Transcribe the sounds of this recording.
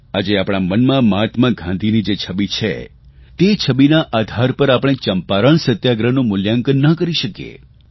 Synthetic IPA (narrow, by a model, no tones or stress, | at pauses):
ad͡ʒeapɽ̃ɳ̃amənmãmat̪mãɡʱãnd̪ʱinid͡ʒet͡ʃʰəbit͡ʃʰḛ | t̪et͡ʃʰəbinaʔad̪ʱaɾpəɾapəɽ̃et͡ʃəmpaɾəɳsət̪jaɡɾənũmʊljaŋkənːəkəɾiʃəkjḛ